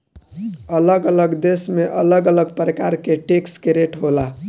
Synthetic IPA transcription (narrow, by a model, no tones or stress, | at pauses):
ələɡələɡd̪esmeʔələɡələɡpɾəkaɾkeʈekskeɾeʈɦola